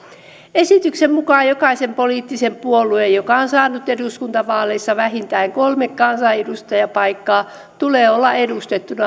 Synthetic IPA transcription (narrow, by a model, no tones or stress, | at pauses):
esit̪yksemmukɑːjjokɑisempoliːt̪ːisempuoluejjokɑonsɑːnut̪eduskunt̪ɑʋɑːleisːɑʋæɦint̪æiŋkolmekkɑnsɑedust̪ɑjɑpɑikːɑː | t̪uleːolːɑedust̪et̪ːunɑ